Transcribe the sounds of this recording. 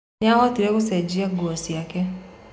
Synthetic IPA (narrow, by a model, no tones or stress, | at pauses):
aɣɔtiɾɛkosɛd͡ʒiaɡwɔsjakɛ